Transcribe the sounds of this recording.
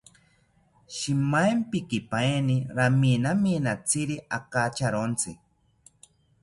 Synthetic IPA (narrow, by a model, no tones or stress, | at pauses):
ʃimajmpikipaeniɾaminaminat͡siɾiʔakat͡ʃaɾont͡si